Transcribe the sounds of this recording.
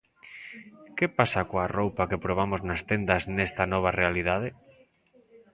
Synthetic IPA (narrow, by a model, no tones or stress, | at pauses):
kepasakoarowpakepɾoβ̞amoznast̪end̪aznɛst̪ɐnɔβ̞arealiðað̞e